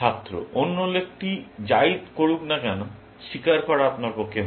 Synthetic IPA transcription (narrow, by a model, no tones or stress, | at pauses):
at̪ːɾo̰ʔonːolek̚ʈid͡ʑaid̪koɽuknakɛno | ʃikaɾkɔɾaapnaɾpokʰːe